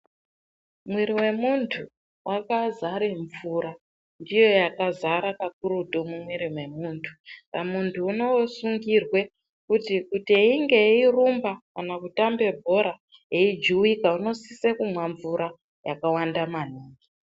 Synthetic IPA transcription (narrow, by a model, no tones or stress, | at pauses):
mwiɾiwe̞muntʰu | wʔakazaɾeɱvuɾa | ndijo̞jakazaɾakak̚uɾutomumwiɾimwe̞muːntʰu̥pamuntʰuːno̞suŋɡirwe̞ | kutikutieiŋɡe̞irumbakanakutambe̞bʱo̞ɾa | eid͡ʒuwikauno̞sisekumwaɱvuɾa | jakawandamaniːŋɡi